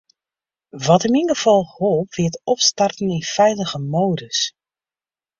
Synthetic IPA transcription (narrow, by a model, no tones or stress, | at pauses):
ʋɔtɪminɡəfɔlˠhɔlˠpʋɪətɔpstartn̩ɪnfɛjləɣəmoːdəs